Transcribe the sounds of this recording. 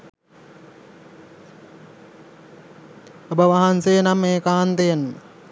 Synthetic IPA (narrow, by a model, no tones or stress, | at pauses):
obəʋaɦansenamːeːkaːnt̪een